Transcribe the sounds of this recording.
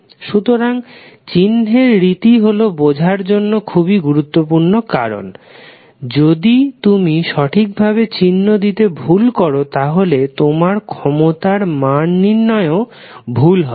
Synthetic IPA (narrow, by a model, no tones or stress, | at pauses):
ʃut̪oɾaŋt͡ɕinɦeɾːit̪iɦolobod͡ʑʱaɾd͡ʑonːokʰubiɡuɾut̪ːopuɾnokaɾo̰n | d͡ʑod̪it̪umiʃɔʈʰik̚bʱabet͡ɕinːod̪it̪ebʱulkɔɾot̪aɦolet̪omaɾkʰɔmot̪aɾmanːinːɔeo | bʱulɦɔ